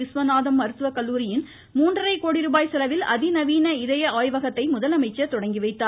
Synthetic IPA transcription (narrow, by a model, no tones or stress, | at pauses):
ɪsʋɐnaːðɐmːɐɾɯt̪ɯʋɐkɐlːuːɾɪjɪn | muːndrɐrɐɪkoːɽɪɾuːbaːjsɛlɐʋɪlɐ̰ðɪnɐʋiːnɐɪðɐjɐaːjʋɐɣɐt̪ːɐɪmʊðɐlɐmɐɪt͡ʃːɐt̪ɔɽɐŋɡɪʋɐɪt̪ːaː